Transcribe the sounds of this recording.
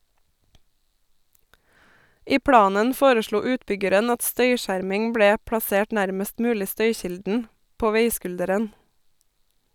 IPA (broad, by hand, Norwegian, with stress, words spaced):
ˈiː ˈpɽɑːnən ˈfoːɾəˌʃɭuː ˈʉːtˌbʏɡəɾən ˈɑt ˈstœʏˌʃæːɾmɪŋ ˈbɽeː pɽɑˈseːʈ ˈnæɾməst ˈmʉːlɪ ˈstœʏˌçɪldn̩ ˈpoː ˈʋeɪˌskʉldəɾən